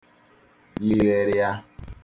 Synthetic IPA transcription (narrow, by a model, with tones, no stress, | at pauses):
li˨ɾe˨ɾɪ˦a˦